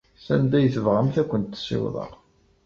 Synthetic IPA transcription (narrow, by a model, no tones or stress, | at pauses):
sænd̪æjəθəvʁəmθækʷːənt̪ːsɪ̰wðˤə̰ʁ